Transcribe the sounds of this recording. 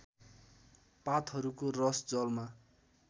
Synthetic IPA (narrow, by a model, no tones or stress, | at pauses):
pat̪ɦʌɾukorʌsd͡zʌlma